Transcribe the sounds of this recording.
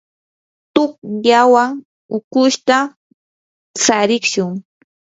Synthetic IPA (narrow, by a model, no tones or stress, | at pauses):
t̪ʊkjawa | ʊkʊʃt̪a | saɾɪkʃʊŋ